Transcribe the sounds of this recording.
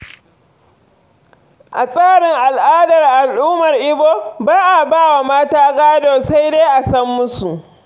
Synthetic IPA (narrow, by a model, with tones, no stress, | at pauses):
ʔa˨sʼaː˦˨ɽɪ˨ŋʔa˨lʔaː˦dɐ˨rʔa˨lʔʊː˦mɐ˨rʔɪ˦boː˦baː˦ʔa˨baː˦˨wa˨maː˦taː˦ɡaː˦doː˨sa˦jde˦ʔa˨sɐ˦mːʊ˦su˨ʔ